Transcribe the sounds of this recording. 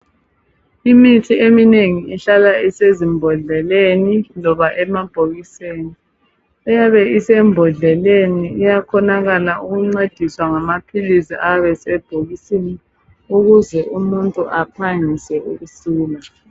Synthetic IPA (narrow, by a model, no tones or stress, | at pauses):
imitʰiemineŋiiɬalaisezimbʱɔɮɛlenilɔβaʔɛmab̥ʱoɣiseːni | ɛjaβɛisɛmbʱɔɮɛleniːjakʰɔnaɣalauɣuŋ͡ǀed̥ʱiswaŋamapʰilisiʔaβɛsɛb̥ʱoɣisini | uɣuzɛʔumuntʼuʔapʰaŋisɛuɣusuːla